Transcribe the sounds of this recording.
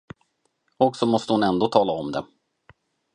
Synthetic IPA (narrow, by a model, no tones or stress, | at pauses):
ɔksɔmɔst̪əhʊnɛnd̪oːt̪ʰɑːlaɔmd̪ɛ